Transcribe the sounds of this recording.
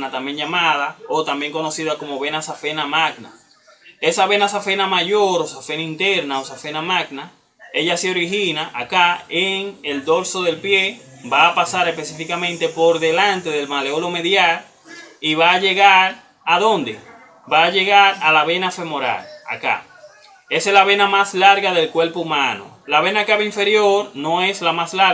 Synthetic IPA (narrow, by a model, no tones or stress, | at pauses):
nat̪ambje̞ŋʝamaðaot̪ambjeŋko̞no̞siðako̞mo̞βe̞nasafe̞namaɡna̰ | e̞saβe̞nas̬afe̞namaʝo̞ɾosafe̞naint̪e̞ɾnaosafe̞namaɡna | e̞ʎaseo̞ɾiɦinaʔakaeŋeld̪o̞lso̞ðe̞lpje̞baːpasaɾespe̞sifikamẽnt̪e̞po̞ɾðe̞lant̪e̞ðe̞lmaleolo̞meðjaɾ | iβaːʝe̞ɣaɾ | aðo̞nd̪e | baːʝe̞ɣaɾalaβe̞nafe̞mo̞ɾa̰la̰ka̰ | e̞selaβe̞namaslaɾɣaðe̞lkwe̞ɾpoumãno̰ | laβe̞nakaβeiɱfe̞ɾjo̞ɾno̞e̞slamasla